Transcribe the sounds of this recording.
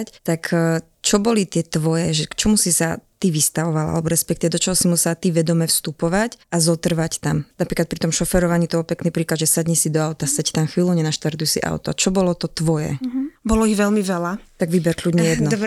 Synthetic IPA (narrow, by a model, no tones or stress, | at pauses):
ct̪akʰː | t͡ʃɔbɔlit̪ɪɛt̪ʋɔjɛʒɛkt͡ʃɔmusisat̪iʋist̪aʋɔʋalaa̰lɛbɔɾɛspɛkt̪iʋɛd̪ɔt͡ʃɔɦɔsimusɛat̪iʋɛd̪ɔmɛfst̪upɔʋacazɔt̪r̩ʋact̪amnapɾiklat̪̚pɾit̪ɔmʃɔfɛɾɔʋaɲit̪ɔbɔlpɛknipɾiːklad̪ʒɛsaɟɲisid̪ɔaʊt̪asɛct̪amxʋiːluɲɛnaʃt̪aɾt̪ujɛsḭʔa̰ʊt̪ɔ̰at͡ʃɔbɔlɔt̪ɔt̪ʋɔjɛ̰bɔlɔiɣʋɛlmiʋɛlat̪aɡʋibɛɾkʎuɟɲɛjɛd̪nɔ